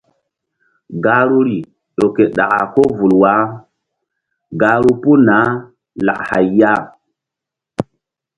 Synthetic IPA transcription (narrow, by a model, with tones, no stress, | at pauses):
ɡa˦ɾu˦ɾi˨ | ɗo˨ke˨ɗa̰˨ka˨ko˦vu˨lwa˨˦ | ɡa˨ɾu˦pu˦na˨˦ | la̰˨ʔha̰˨jja˦